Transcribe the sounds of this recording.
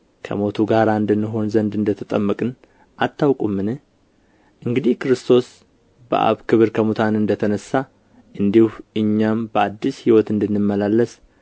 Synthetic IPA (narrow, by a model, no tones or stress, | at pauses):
kʰə̰mo̞t̪ʰuɡaɾaɨnd̪ɨnːɨɦo̞nzənd̪ɨnd̪ət̪ʰət̪ʼəmːəkʼɨn | ʔat̪ʰːawkʼumːɨnɨh | ʔɨŋɡɨd̪ihkɨɾɨst̪ʰo̞s | bə̰ʔa̰βkʰɨβɨɾkʰəmut̪ʰanɨnd̪ət̪ʰənəsːa | ʔɨnd̪ihuʔɨɲːambəad̪ːishiwɔt̪ɨnd̪ɨnːɨmːəlalːəs